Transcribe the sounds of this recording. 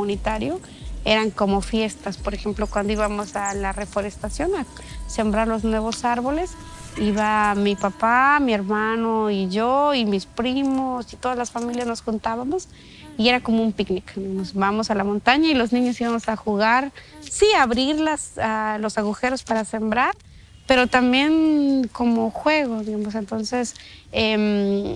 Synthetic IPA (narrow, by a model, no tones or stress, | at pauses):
unit̪aɾjo | e̞ɾaŋko̞mo̞fje̞st̪aspo̞ɾexe̞mplokwand̪oiβamo̞salare̞fo̞ɾest̪asjo̞na | se̞mbɾaɾloznwe̞β̞o̞saɾβo̞le̞s | iβamipapamie̞ɾmanoiʝoimispɾimosit̪o̞ðazlasfamiljazno̞sxunt̪aβamos | ie̞ɾako̞moumpiknikd̪iɣamosbamosalamont̪aɲailo̞znĩɲosiβamosaxuɣaɾ | siaβɾiɾlasalosaɣuxe̞ɾospaɾasembɾaɾ | pe̞ɾot̪ambje̞nko̞moxwe̞ɣoðiɣamos̬ent̪onsesem